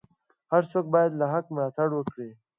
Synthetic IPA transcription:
haɾsoːk̚bɑjad̪laɦakmlɑt̪aɽwəkɽi

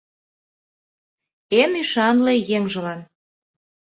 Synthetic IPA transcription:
enyʃɑnlejeŋʒə̆lɑn

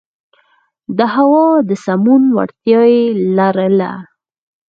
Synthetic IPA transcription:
d̪əɦawɑd̪əsamunwa̰ɽt̪jɑjelaɾəla̰

